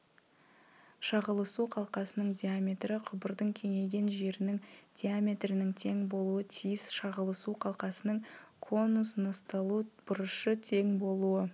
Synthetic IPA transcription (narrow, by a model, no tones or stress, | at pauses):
ʃɑʁəlˠəsuqʰɑlˠqɑsənəɴd̪ʲeamʲe̞t̪ɾɪqʰʊbəɾd̪əŋkʲʰe̞ŋe̞ɡʲe̞nʒe̞ɾɪnɪŋd̪̥ʲeamʲe̞t̪rɪnɪŋt̪ʰe̞ŋbo̞lˠuət̪ʰijɪsʃɑʁəlˠəsuqʰɑlˠqɑsənəɴkʰo̞nːusnost̪ɑlˠub̥ʊɾəʃət̪ʰe̞ŋbo̞lˠuə